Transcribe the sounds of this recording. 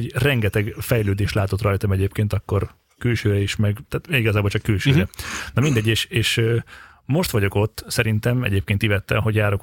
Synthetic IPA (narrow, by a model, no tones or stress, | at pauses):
rɛŋɡɛt̪ɛɡfɛjløːd̪eːʃlaːt̪o̞t̪rɒjt̪ɒmɛɟeːpkeːnt̪ɒkːo̞r | kylʃøːɾɛiʃmɛɡt̪aːt̪iɡɒzaːbolt͡ʃɒkːylʃøːɾɛnɒmind̪ɛɟːeːʃeːʃø | mo̞ʃt̪ʋɒɟo̞ko̞t̪ːsɛɾint̪ɛmɛ̰ɟeːp̚keːnt̪ivɛt̪ːɛ̰mɦo̞ɟjaːɾo̞k